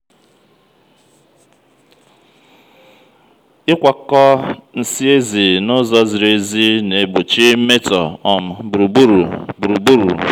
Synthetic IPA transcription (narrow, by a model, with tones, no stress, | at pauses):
ɪ˦kʷa˨kɔ˦n̩˦si˦e˦zi˨nʊ˦zɔ˦zi˨ɾe˨zi˦ne˨bʊ˨t͡ʃi˦m̩˦me˦tɔ˨ɔ˨m̩˨bɾu˨bu˦ɾu˨bɾu˨bu˦ɾṵ˨